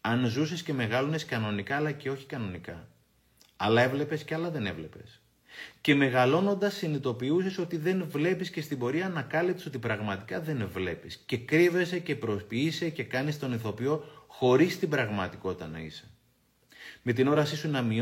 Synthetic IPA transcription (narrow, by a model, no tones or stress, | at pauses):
ɐnzuse̞sce̞me̞ɣɐlone̞skɐno̞nikɐːlɐce̞o̞çi̥kɐno̞nikɐ̰ | ɐlɐe̞vle̞pe̞sceɐlɐðe̞ne̞vle̞pe̞s | ce̞me̞ɣɐlo̞no̞nd̪ɐsːinit̪o̞piuse̞so̞t̪iðe̞nvle̞pisce̞st̪ibo̞ɾiɐnɐkɐlipt̪so̞t̪ipɾɐɣmɐt̪i̥kɐðe̞nvle̞pisce̞kɾive̞se̞ce̞pɾo̞spiisece̞kɐnist̪o̞niθo̞pio̞xo̞ɾist̪ibɾɐɣmɐt̪iko̞t̪i̥t̪ɐnɐ̰ḭse̥ | me̞t̪̬ino̞ɾɐsisunɐmi